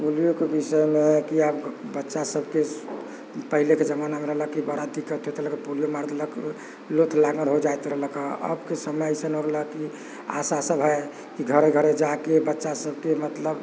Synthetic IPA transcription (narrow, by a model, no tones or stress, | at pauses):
polijokebisəmekiəbbətːʃasəbke | pəɦileked͡ʒəmanameɾəɦləkibəɾad̪ikət̪ot̪ləkepolijomaɾd̪ʱlək | lot̪ʰlaɡəɾɦod͡ʒajt̪ɾəɦlkəə̰bkesəməjsənoɾləki | a̰sasəbɦə | kiɡʱəɾeɡʱəɾed͡ʒakebətːʃasəb̚kemət̪ləb